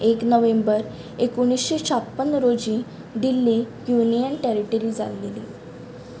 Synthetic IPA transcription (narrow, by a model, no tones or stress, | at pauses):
eknəʋembəɾ | ekuɽ̃isɕet͡ɕʰapːənɾod͡ʑĩ | ɖ̪ilːi | junijənʈeɾiʈəɾid͡za̰leli